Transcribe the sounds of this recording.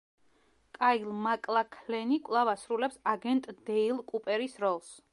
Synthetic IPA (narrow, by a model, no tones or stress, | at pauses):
kʼailˠmakʼlˠakʰlɛnikʼvlˠavasɾulɛpsaɡɛnt̪ʼd̪̥ɛilˠkʼupʼɛɾisɾɔlˠs